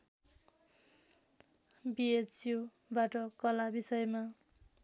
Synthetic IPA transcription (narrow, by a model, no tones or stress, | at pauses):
biet͡sju | baʈʌkʌlabisʌjma